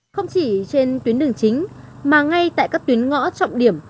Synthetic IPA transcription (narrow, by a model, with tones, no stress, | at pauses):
xə˧wŋ͡mt͡ɕi˧˩t͡ɕe˧nt̪wi˨˦ənɗɨ˨˩əŋt͡ɕï˨˦ŋ̟ | maː˨˩ŋa˧jt̪a̰ː˧˨jkaː˦˥k̚t̪wi˨˦ənŋɔ̰˧˥t͡ɕɔ̰˧˨wŋ͡mɗi˧˩əm